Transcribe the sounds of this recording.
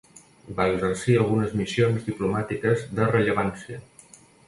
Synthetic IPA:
baəɡzəɾsiəlˠɣ̞unəzmisionzðiplumat̪ikəzðərəʎəβansiə

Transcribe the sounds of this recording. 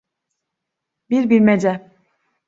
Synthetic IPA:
biɾbiɾmed͡ʒɛ

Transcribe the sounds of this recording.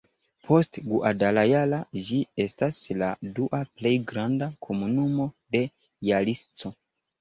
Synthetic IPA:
pʰo̞stɡuʔadalajalad͡ʒie̞stasladuʔaple̞jɡɾandakʰo̞munumo̞ | de̞ | jalist͡so̞

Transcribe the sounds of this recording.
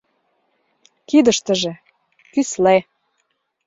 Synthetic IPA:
kid̪əʃt̪ə̆ʒĕ | kysle

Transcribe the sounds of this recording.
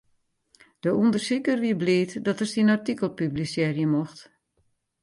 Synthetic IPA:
d̥əundərsikərʋiəbliːtdɔtərsinartikəlˠpyblisjɛrjəmoxt

